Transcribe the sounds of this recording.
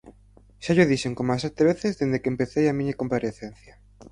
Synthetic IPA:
ʃaʎoðiʃeŋkomasɛt̪eβ̞eθɪzðend̪ekempeθejamiɲɐkompaɾeθen̟θjɐ

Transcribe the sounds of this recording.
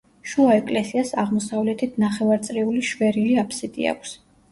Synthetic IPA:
ʃuaɛkʼlɛsiasaʁmɔsavlɛt̪ʰit̪ʰnaχɛvaɾt̪sʼɾiuliʃvɛɾiliapʰsid̪ʼḭa̰kʷʰs

